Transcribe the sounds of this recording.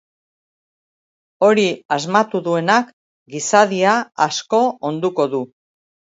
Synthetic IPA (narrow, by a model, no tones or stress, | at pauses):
o̞ɾiazmat̪uðue̞nak | ɡisaðiaːsko̞ond̪uko̞ðu